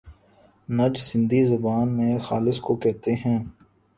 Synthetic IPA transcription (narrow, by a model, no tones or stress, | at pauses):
nɐd͡ʒsɪ̃nd̪izɐbaːnmẽxaːlɪskokɛɦt̪eɦɛ̃ː